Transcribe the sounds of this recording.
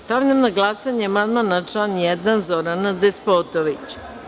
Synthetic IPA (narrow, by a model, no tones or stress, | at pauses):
st̪aʋʎʲamnaɡlˠasaɲemanmanat͡ʂlanjɛd̪anzoɾanad̪espot̪oʋit͡ɕ